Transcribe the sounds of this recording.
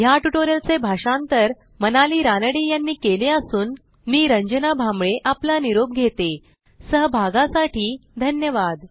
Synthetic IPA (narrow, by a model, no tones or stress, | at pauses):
jaʈuʈoɾjəlt͡sebʱaʂãnt̪əɾ | mənaliːɾanəɽiːjanːiːkeleəsuːn | miːɾəɲd͡ʑənabʱamɭeʔaplaniɾob̚ɡʱet̪e | səɦbʱaɡãsaʈiːd̪ʱənjəʋad̪